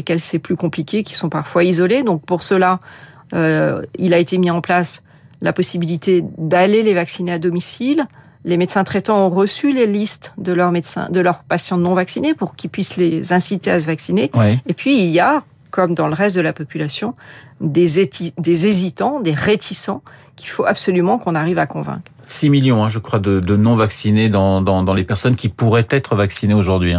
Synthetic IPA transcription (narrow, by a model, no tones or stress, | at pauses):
ekʲɛlsɛplykɔ̃plikʲekʲi̥sɔ̃paʁfwaizɔled̪ɔ̃k̚puʁsəla | øilaet̪emiɑ̃plas | la̰pɔsibilit̪ed̪alelevaksinead̪ɔmisilː | emet̪sɛ̃t̪χɛt̪ɑ̃ɔ̃ʁəsylelist̪d̪əlœʁmet̪sɛ̰̃d̪əlœʁpasjɑ̃nɔ̃vaksinepuʁkʲilpɥislezɛ̃sit̪easəvaksinewiːpɥiːlja | kɔmd̪ɑ̃ləʁɛst̪̚d̪əlapɔpylasjɔ̃d̪ed̪ezezit̪ɑ̃d̪eʁet̪ʰisɑ̃ | kʲʰi̥foʔapsɔlymɑ̃kɔ̃naʁivakɔ̃vɛ̰̃kχsimiljɔ̃ɛ̃ʒəkχwad̪əd̪ənɔ̃vaksined̪ɑ̃d̪ɑ̃d̪ɑ̃lepɛʁsɔnkʲipuʁɛt̪ɛt̪χəvaksineoʒuʁd̪ɥĩ